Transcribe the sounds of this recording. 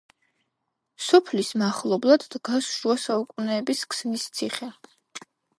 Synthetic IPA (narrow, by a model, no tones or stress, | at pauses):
sɔpʰlismaχlˠɔblˠad̪ːɡasuasaukʼunɛːbiskʰsmist̪sʰiχɛ